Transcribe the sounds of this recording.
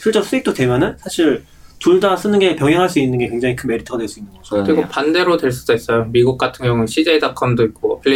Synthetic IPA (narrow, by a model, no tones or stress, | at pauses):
sʰiɭt͡ɕ͈ʌs͈uik̚t͈otwe̞mjʌnɯnsʰaɕʰiɭ | tuɭdas͈ɯnɯnɡepjʌŋɦjʌŋɦaɭs͈uinːɯnɡe̞kwe̞ŋd͡ʑaŋikʰɯnme̞ɾitʰʌ̥adwe̞ɭs͈uinːɯnŋɡʌʌkɯɾiɡopande̞ɾodwe̞ɭs͈udois͈ʌjomiɡuk̚k͈atʰɯŋjʌŋɯɕʰid͡ʑedakʰʌmdoik̚k͈opʰɯɭːi